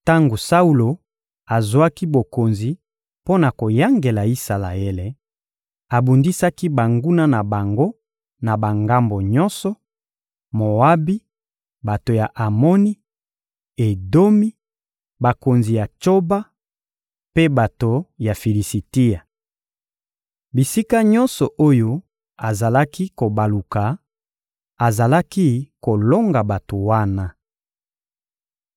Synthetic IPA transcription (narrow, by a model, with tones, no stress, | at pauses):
ta˦ŋɡo˨sa˦u˦lo˨ | a˨zwa˦ki˦bo˨ko˨nzi˨ | po˦na˨ko˨ja˦ŋɡe˨la˨i˦sa˨la̰˨e˦le˨ | a˨bu˨ndi˦sa˦ki˦ba˨ŋɡu˦na˦na˨ba˨ŋɡo˦ | na˨ba˨ŋɡa˦mbo˨ɲɔ˦nsɔ˨ | mo˨a˦bi˦ | ba˨to˨ja˨ʔa˨mo˦ni˦ | e˨do˦mi˦ | ba˨ko˨nzi˨ja˨t͡ʃo˦ba˦ | pe˦ba˨to˨ja˨fi˨li˨si˨ti˦a˨ | bi˨si˦ka˦ɲɔ˦nsɔ˨ʔo˦jo˦ | a˨za˨la˦ki˦ko˨ba˨lu˨ka˨ | a˨za˨la˦ki˦ko˨lo˦ŋɡa˨ba˨to˨wa˦na˦